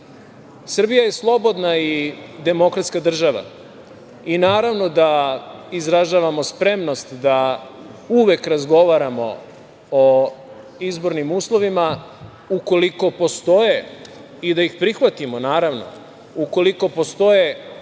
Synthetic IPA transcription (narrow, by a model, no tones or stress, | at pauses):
sr̩bijaje̞slˠo̞bo̞d̪naid̪e̞mo̞kɾat̪skad̪r̩ʒaʋa̰ | inaːɾaʋno̞d̪aizɾaʒaːʋamo̞spɾe̞mno̞st̪d̪a | uʋe̞kɾazɡo̞ʋaɾamo̞̰ | o | izbo̞ɾnimuːslˠo̞ʋima | uko̞liko̞po̞st̪o̞je | id̪aixpɾixʋat̪imonaːɾaʋno̰ | uko̞liko̞po̞st̪o̞je